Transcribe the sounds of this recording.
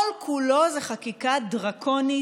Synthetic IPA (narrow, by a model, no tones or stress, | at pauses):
lkʰulo̞zeχakikad̪ʁakʰoni